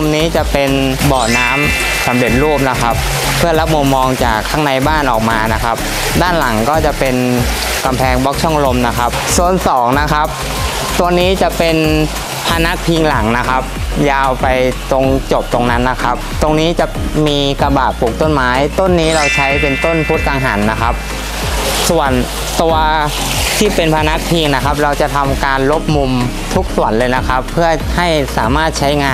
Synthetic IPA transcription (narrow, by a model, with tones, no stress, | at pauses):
mniː˦˥t͡ɕa˨˩pe˧n | bɔː˨˩naː˦˥m | sa˩˦mɾe˨˩t̪̚ɾuː˥˩p̚na˦˥kʰa˦˥p̚ʰː | ɯ˥˩ɐla˦˥p̚mu˧mːɔː˧ŋt͡ɕaː˨˩kʰːaː˦˥˩ŋna˧jbaː˥˩nʔɔː˨˩k̚maː˧na˦˥kʰa˦˥p̚ | daː˥˩nla˩˦ŋkɔː˥˩t͡ɕa˨˩ʔpe˧n | ka˧mpʰɛː˧ŋbɔː˦˥k̚t͡ɕʰɔ˥˩ŋɾo˧mna˦˥kʰa˦˥p̚su˨˩ənsɔː˩˦ŋna˦˥kʰa˦˥p̚ | t̪o˧niː˦˥t͡ɕa˨˩pe˧n | pʰa˧na˦˥pʰi˧ŋla˩˦ŋna˦˥kʰa˦˥p̚jaː˧wpa˧jt̪o˧ŋt͡ɕo˨˩p̚t̪o˧ŋna˦˥nːa˦˥kʰa˦˥p̚t̪o˧ŋniː˦˥t͡ɕa˨˩ʔmiː˧ka˧baː˨˩t̪̚pːuː˨˩k̚t̪o˥˩nmaː˦˥jt̪o˥˩nːiː˦˥ɾa˧wt͡ɕʰa˦˥jpe˧nt̪o˥˩npʰu˦˥t̪̚ʔaː˧ŋɦaː˩˦nːa˦˥kʰa˦˥p̚ | su˨˩ən | t̪u˧ɐ | t̪ʰiː˥˩pe˧npʰa˧na˦˥k̚pʰiː˧ŋna˦˥kʰa˦˥p̬̚ɾa˧wt͡ɕa˨˩t̪ʰa˧mkaː˧nlo˦˥p̚mu˧m | t̪ʰu˦˥k̚su˨˩ənlɤː˧jna˦˥kʰa˦˥pʰːɯ˥˩ɐha˥˩jsa̰ː˩˦maː˥˩t̪̚t͡ɕʰa˦˥jŋaː˧